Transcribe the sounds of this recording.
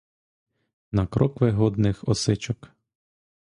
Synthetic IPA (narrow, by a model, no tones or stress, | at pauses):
nɐkɾʔɔkʋɪɦɔd̪nɪxɔsɪt͡ʃɔk